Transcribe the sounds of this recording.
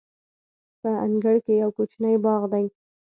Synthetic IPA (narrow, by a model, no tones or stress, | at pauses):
pəaŋɡəɽkejawkot͡ʃnəjbɑɣd̪aj